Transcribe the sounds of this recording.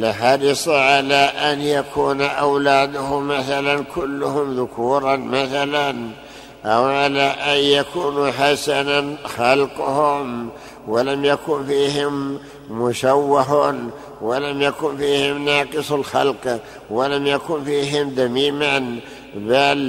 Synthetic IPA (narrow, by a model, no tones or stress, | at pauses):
lɪħɑɾˤɪsˤʕalaʔanjakʰuːnʔawlaːd̪ʊhʊmaθalankʰʊlːʊhʊmðʊkʰuːɾˤɑnmaθalan | ʔawʕalaʔanjakuːnuħasananxɑlqʊhʊm | walamjakuːnfiːhɪmː | ʊʃawːaɦʊn | walamjakuːnfiːhɪmnɑːqɨsˤalxɑlq | walamjakuːnfiːɦɪmd̪amiːman | bal